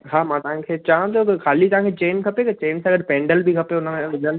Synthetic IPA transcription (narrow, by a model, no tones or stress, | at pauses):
ɦaːmãːt̪ɐʋɦãkʰeːt͡ɕaɦə̃nt̪okʰaːlit̪ɐʋ̤ãːkʰet͡ɕeːnkʰɐpekɐt͡ʃeːnsãɡəɽpẽːɳɖəlbʱikʰɐpeoʊnəmẽʋɪd̪ʱən